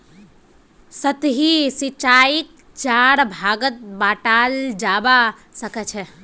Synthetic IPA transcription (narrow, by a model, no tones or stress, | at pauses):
sət̪ɦisit͡ʃaik̚ | t͡ʃaɾbʱaɡət̪̚baʈald͡ʒaba | səkɛt͡ʃʰɛ